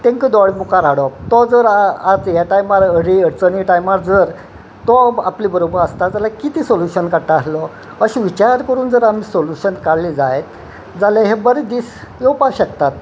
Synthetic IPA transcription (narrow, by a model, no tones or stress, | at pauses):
t̪ẽŋkəd̪ɔɭmukaɾaɽɔt̪ɔd͡zəɾat͡sjaʈajmaɾəɾiəɾt͡sənʈajmaɾd͡zəɾ | t̪ɔa̰pliːbəɾobəɾəst̪ad͡zalakit̪iːsoljuɕənkaɾʈ̪aaslɔ | əɕĩʋit͡ɕaɾɾkəɾuːnd͡zəɾamiːsoljuɕənkaɽlid͡zajet̪ | d͡zalaɦebəɾed̪iːs | jopaɕəkt̪at̪̚